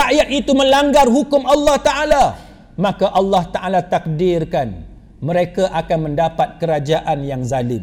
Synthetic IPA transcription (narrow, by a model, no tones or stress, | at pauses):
aʔjat̪̚it̪umə̃laŋɡarɦukʊmalːɑht̪aʔala | mãkaʔɑlːɑht̪aʔalat̪ak̚dɪrkan | məɾekaʔakanmə̃ndapat̪̚kəɾad͡ʒaʔanjaŋzalɪm